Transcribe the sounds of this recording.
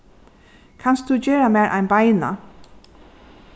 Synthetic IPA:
kʰans̚d̪ud͡ʒeːɹamæːɹʔa̰jnbajna̰

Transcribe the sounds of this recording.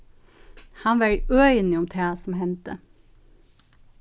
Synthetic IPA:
hɑnʋæɹøːɪnɪʊmt̪ʰæːsɔmhɛnt̪ə

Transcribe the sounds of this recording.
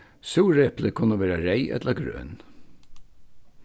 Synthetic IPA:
suːɾɛpləkʰʊnːəʋeːɾaɾeɪʔɛ̰t̪ləɡɾø̰ːn

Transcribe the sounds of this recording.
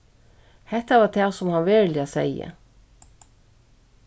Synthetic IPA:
hɛht̪avat̪ʰɛːsʊmhanʋɛːɹlɪasɛjə̰

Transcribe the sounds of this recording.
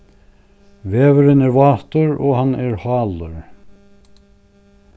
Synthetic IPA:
veːvəɾɪnɛɾvɑːt̪əɾɔ̰ːhanɛɹhɑːləɾ

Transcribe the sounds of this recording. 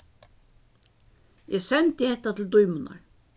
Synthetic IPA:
jʔɛsɛnt̪ɪhɛht̪at̪ʰɪld̪ɔjmʊna̰ɹ

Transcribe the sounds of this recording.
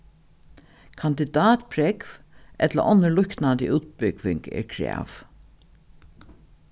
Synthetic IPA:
kʰand̪ɪd̪aːt̪pʰɾɛkvʔɛt̪lə̰ʔɔnːəlʊhknand̪ɪʔuːt̪̚bʏɡʋɪŋkɛ̰ːɹkʰɾæ̰ːf

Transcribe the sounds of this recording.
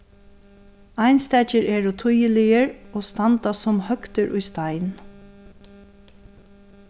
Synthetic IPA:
ajnst̪ɛt͡ʃəɹʔɛːɹʊt̪ʰʊjəlɪjəɹoːst̪ant̪asʊmhœkt̪əɹʔʊjst̪ajn

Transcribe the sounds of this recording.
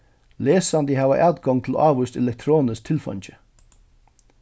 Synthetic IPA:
leːsɑnd̪iːhɑːʋə̰ʔɑːd̪ɡɔŋt̪ʰl̩̰ʔɑːʋʉst̪ɛ̰lɛk̚t̪ʰɾoːnəst̪ʰɪlfɑ̰nt͡ʃə̥

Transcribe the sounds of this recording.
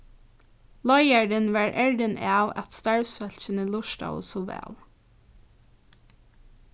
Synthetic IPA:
lɔɪæɖənʋɑːɹʔæɹɖənʔɑːʋɛ̰t̪st̪ɑɹsfœlçəniːlʊʃdɑ̰sʊʋæ̰ːl

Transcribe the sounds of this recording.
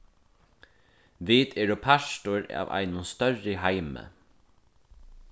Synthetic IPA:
ʋiːt̪ɛːɾʊpʰaʃtʊɾa̰ːʋa̰ɪnʊnst̪œrɪɦaɪmə̰

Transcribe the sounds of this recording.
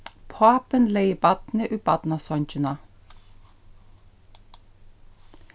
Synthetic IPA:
pʰɑːpənleɪəbɑt̪nəʔʉːb̥ɑt̪nɑsɔnt͡ʃʉnɑ

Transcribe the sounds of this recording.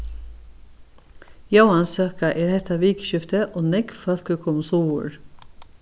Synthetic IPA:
jɑwɑnsøːkɑʔeːɾhɛt̪ʰɑʋiːkʃʏft̪əʔoːnɛɡfœlkəkʰʊmsuːʊ̰ɹ

